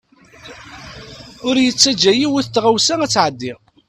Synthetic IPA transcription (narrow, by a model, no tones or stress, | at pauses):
ʊɾjət͡sːæd͡ʒːæjiwʊθt̪ːʁawsæŋæt͡sːʕəd̪ːiʁ